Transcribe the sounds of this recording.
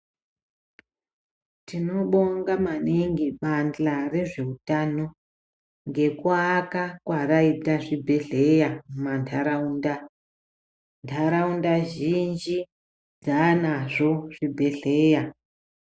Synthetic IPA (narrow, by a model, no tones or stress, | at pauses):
tino̞ɓo̞ŋɡamaneŋɡiɓand͡ɮare̞ʐe̞utano̞ | ŋɡe̞kwakakwaraitaʐibʱe̞ɮe̞jamantʰaɾaunda | ntʰaɾaundaʒind͡ʒi | d͡zanaʐo̞ʐ̥ibʱe̞ɮe̞ja